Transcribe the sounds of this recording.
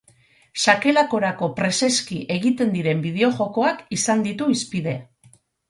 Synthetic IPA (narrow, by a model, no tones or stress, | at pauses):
sake̞lako̞ɾako̞pɾe̞se̞skiʔe̞ɣ̞it̪e̞nd̪iɾe̞mbið̞e̞o̞ʝo̞ko̞akisand̪it̪uispiðe̞